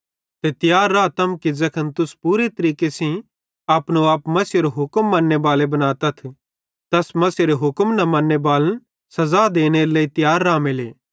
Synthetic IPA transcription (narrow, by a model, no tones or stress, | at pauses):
t̪et̪ɪjaːɾːaːt̪ɐmkid͡ʒɐkʰənt̪ʊspuːɾet̪ɐɾiːkesĩ | aːpnoaːpmɐsjoɾoɦʊkəmːɐnːebaːlebɐnaːt̪ɐt̪ʰ | t̪ɐsmɐsjoɾeɦʊkmnɐmɐ̃nːebaːlən | sɐzaːd̪eːneɾelɐːit̪ɪjaːɾːaːmelḛː